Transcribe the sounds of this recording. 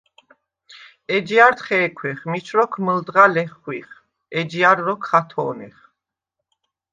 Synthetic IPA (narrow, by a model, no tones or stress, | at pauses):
ɛd͡ʒiaɾt̪χɛːkʰwɛχmit͡ʃʰɾɔkʰməld̪ʁalɛχwiχ | ɛd͡ʒiaɾːɔkʰχat̪ʰɔ̰ːnɛ̰χ